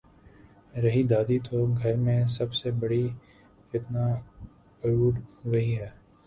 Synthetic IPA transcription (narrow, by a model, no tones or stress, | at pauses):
ɾɐɦid̪aːd̪it̪oɡʱɐɾmẽsɐbsebɐɽi | ɪt̪na | pɐɾuːɾʋɐɦiɦɛː